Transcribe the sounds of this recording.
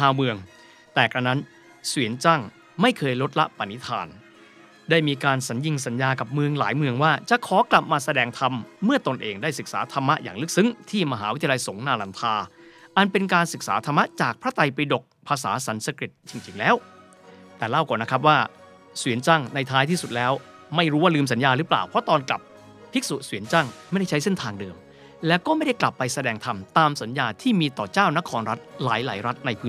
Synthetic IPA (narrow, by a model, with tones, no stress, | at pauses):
aː˧wmɯ˧əŋ | t̪ɛː˨˩kɾa˧na˦˥n | swi˨˩˦ənt͡ɕaː˥˩ŋ | ma˥˩jkʰɤː˧jɾo˦˥t̪̚la̰˦˥ʔpa˧ni˦˥t̪ʰa̰ː˧n | daː˥˩jmiː˧kaː˧nsa˩˦nji˧ŋs̬a˩˦njaː˧ka˨˩p̚mɯ˧əŋla̰ː˩˦jmɯ˧əŋwaː˥˩t͡ɕa˨˩ʔkʰɔː˩˦kla˨˩p̚maː˧sa˧dɛː˧ŋt̪ʰa˧mːɯ˥˩ɐt̪o˧nʔeː˧ŋdaː˥˩jsɯ˨˩k̚sa̰ː˩˦t̪ʰa˧mːa˦˥ʔjaː˨˩ŋlɯ˦˥k̚sɯ˦˥ŋt̪ʰiː˥˩ma˧ɦaː˧˦wi˥t̪ʰːla˧jso˩˦ŋnaː˧la˧nt̪ʰaː˧ʔa˨˧npe˧nkaː˧nsɯ˨˩k̚saː˩˦t̪ʰa˧mːa˦˥t͡ɕaː˨˩k̚pʰɾa˦˥t̪ʰa˧jpa˧jdo˨˩k̚pʰaː˧sa̰ː˩˦sa˩˦nsa˧kɾi˨˩t̪̚t͡ɕi˧ŋt͡ɕi˧ŋlɛː˦˥w | t̪ɛː˨˩la˥˩wkɔː˨˩nːa˦˥kʰɾa˦˥p̬̚waː˥˩ | swi˨˩˦ənt͡ɕa˥˩ŋna˧jt̪ʰaː˦˥jt̪ʰiː˥˩su˨˩t̪̚lɛː˦˥w | ma˥˩jɾuː˦˥waː˥˩lɯː˧ms̬a˩˦njaː˧ɾɯː˦˥pla̰ː˨˩wpʰɔ˦˥t̪ɔː˧nkla̰˨˩p̚ | pʰːi˦˥k̚su˨˩ʔsui˩˦ənt͡ɕa˥˩ŋma˥˩jda˥˩jt͡ɕʰa˦˥jse˥˩nt̪ʰaː˧ŋdɤː˧m | lɛː˦˥wkɔː˥˩ma˥˩jda˥˩jkla˨˩pːa˧jsa˧dɛː˧ŋt̪ʰa˧mt̪aː˧msa˩˦njaː˧t̪ʰiː˥˩miː˧t̪ɔ̰ː˨˩t͡ɕaː˥˩wna˦˥kʰɔː˧nɾa˦˥t̪̚laː˩˦jla̰ː˩˦jɾa˦˥t̪̚na˧jpʰɯː˦˥